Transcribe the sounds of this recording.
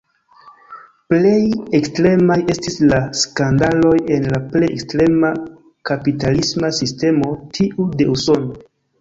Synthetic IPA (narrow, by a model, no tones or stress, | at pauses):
ple̞jekstɾe̞maje̞stislaskandalo̞je̞nlaple̞jekstɾe̞ma | kapitalismasiste̞mo̞tʰiʔude̞uso̞no